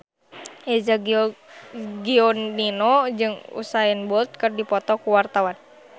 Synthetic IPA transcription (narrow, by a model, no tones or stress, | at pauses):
ɛzaɡ | ɡiɔnninɔd͡ʒɨŋṵsaɛnbɔlt̪̚kɨrdipɔt̪ɔkuwart̪awan